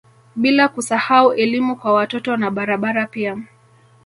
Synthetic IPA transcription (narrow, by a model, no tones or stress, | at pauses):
ɓilakusahauʔɛlimukwawatɔtɔnaɓaɾaɓaɾapia